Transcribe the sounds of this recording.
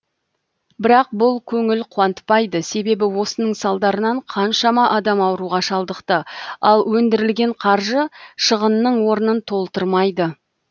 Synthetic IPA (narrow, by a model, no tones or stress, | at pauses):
bɪɾɑq̚bʊlˠkʲʰɵŋɪlqʰʊwɑnt̪pɑjd̪əse̞be̞bɪwo̞sənəɴsɑlˠd̪ɑɾənɑɴqʰɑnʃɑmɑʔɑd̪ɑmɑwəɾuʁɑʃɑlˠd̪əqt̪əɑlˠwɵnd̪ɪɾɪlɡʲe̞ɴqʰɑɾʒəʃəʁənːəɴwo̞ɾənənt̪ʰo̞lˠt̪əɾmɑjd̪ə